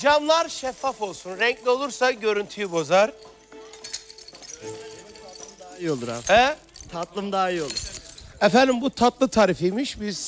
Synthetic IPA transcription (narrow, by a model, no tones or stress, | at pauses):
d͡ʒamlˠaɾʃɛfːafo̞lˠsunɾɛɲclʲio̞lˠuɾsaɟø̞ɾynt̪ʰyjybo̞zaɾ | d̪aio̞lˠuɾa̰ɛ | t̪ʰat̪lˠɯmd̪aːio̞lˠuɾɛfænd̪imbut̪ʰat̪lˠɯt̪ʰaːɾifijmiʃbiz̥